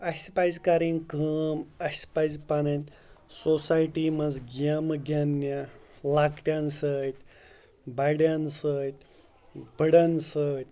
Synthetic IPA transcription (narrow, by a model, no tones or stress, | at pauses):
ɐspajzkaɾinkʰəːmɐspajzpanɐnt̪ʲ | sosajʈimɐzɡiamɡʱʲanːa | lakʈʲjansət̪ʲ | bajɽjansət̪ʲ | bʱəɽansət̪̚ʲ